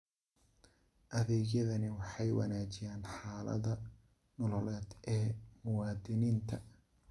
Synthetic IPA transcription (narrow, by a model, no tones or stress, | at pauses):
ʔɐðɛːɣjɐðɐnɪwɑħɑjwɑ̰naːt͡ʃɪjaːnħɑːlɐ̰ðɐ | nɔlɔlɛːd̪ɛːmʊwɑːd̪ɪniːnt̪ʰɐ